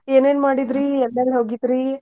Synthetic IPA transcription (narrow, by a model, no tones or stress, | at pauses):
eːneːnmaːɽid̪ɾiɛlːelɦoːɡid̪ɾi